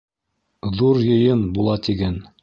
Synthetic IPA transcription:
ðuɾjɤ̆jɤnbulˠɑt̪iɡæn

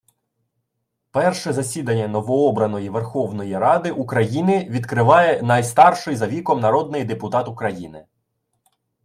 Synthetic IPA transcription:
pɛrʃɛzɐsʲid̪ɐnʲːɐnɔʋɔɔbɾɐnɔjiʋerxɔwnɔjiɾɑd̪ɪʔukɾɐjinɪʋʲid̪kɾɪʋɑjɛnɑjst̪ɑrʃɪjzɐʋʲikɔmnɐɾɔd̪̚nɪjd̪epʊt̪ɑt̪ʊkɾɐjḭnɪ

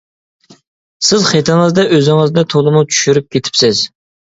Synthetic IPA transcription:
sɪzχet̪ʰɨŋɨzd̪ɛʔøzɪŋɨzd̪ɛt̪ʰolˠɨmut͡ʃʰy̥ʃyɾyp̚kʲet̪ʰɪ̥psɪz̥

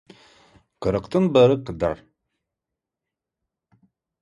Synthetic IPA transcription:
qəɾɨqt̪ʰɨnbɐɾɨqəda̰r

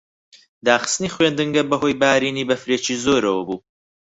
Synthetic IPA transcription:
d̪aːχɨ̥st̪niːχwend̪ɨŋɡɐbɐɦoːjbaːɾiːniːbɐfɾeːt͡ʃiːzoːɾɐwɐbuː

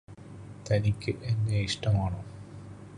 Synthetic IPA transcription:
t̪ɐnikʲːɨʔenːeiʂʈɐmaːɳo

